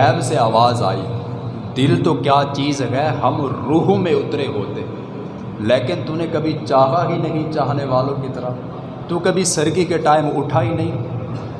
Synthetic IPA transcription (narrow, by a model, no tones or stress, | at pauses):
ɛːbseaːʋaːza̰ːḭ | d̪ɪlt̪okjaːt͡ʃiːzɦɛɦəmɾuːɦmẽʊt̪ɾeɦoːt̪eɦɛ | leːkɪnt̪ʊnẽkəbʱit͡ʃaːɦaɦinɐɦĩt͡ʃaːɦneʋaːlõkit̪əɾa | t̪ukəbʱisəɾɡikeʈaːɪmʊʈʰaːinɐɦĩː